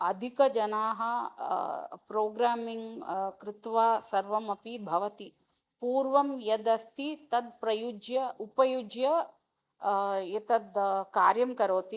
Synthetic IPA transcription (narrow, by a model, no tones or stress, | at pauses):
ɐd̪ʱikɐd͡ʒɐnaːɦɐ̆ | pɾoːɡɾaːmiŋɡkɾɪt̪ʋaːsɐɾʋɐmɐpibʱɐʋɐt̪i | puːɾʋɐmjɐd̪ɐst̪ʰit̪ɐd̪pɾɐjud͡ʒjɐupɐjud͡ʒjɐ | it̪ɐd̪kaːɾjɐmkɐɾoːt̪i